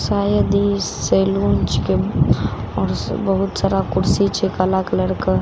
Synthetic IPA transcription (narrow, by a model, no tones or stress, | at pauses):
saːjəd̪iseːluːnt͡ʃke | ɔːɾbɐɦʊt̪saːɾakʊɽsit͡ʃʰekalaːkləɽkə